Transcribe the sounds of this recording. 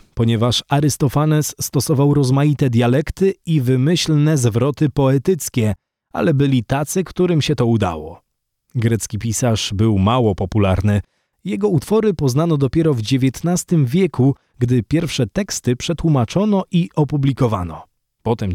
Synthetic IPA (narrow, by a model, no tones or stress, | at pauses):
pɔɲɛvaʂaɾɘst̪ɔfanɛsːt̪ɔsɔvawɾɔzmajit̪ɛd̪ʲjalɛkt̪ɘivɘmɘɕlnɛzvɾɔt̪ɘpɔɛt̪ɘt̪skʲɛ | a̰lɛbɘlʲit̪at̪sɘkt̪uɾɘmɕɛt̪ɔud̪a̰wɔ̰ | ɡɾɛt̪skʲipʲisaʂbɘwmawɔpɔpula̰ɾnɘ | jɛɡɔut̪fɔɾɘpɔznanɔd̪ɔpʲjɛɾɔvd͡ʑevʲjɛt̪nast̪ɘmvʲjɛku | ɡd̪ɘpʲjɛɾfʂɛt̪ɛkst̪ɘpʂɛt̪wumat͡ʂɔnɔʔiʔɔpublʲikɔva̰nɔ | pɔt̪ɛm